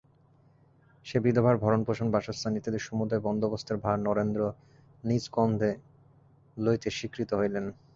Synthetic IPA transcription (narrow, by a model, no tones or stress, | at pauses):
ʃebid̪ʱobʱaɾbʱɔɾonpoʃonbaʃost̪ʰanit̪ed̪eɾʃumud̪aebɔnd̪obost̪ʰaɾbʱaɾnɔɾend̪ɾo | nid͡ʑkɔnd̪ʱe | lojt̪eʃikɾit̪oɦojlen